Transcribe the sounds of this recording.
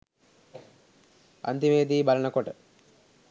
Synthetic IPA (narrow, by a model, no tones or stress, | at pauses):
ɐ̰nd̪imeːd̪iːbɐlɐɳɐkoʈə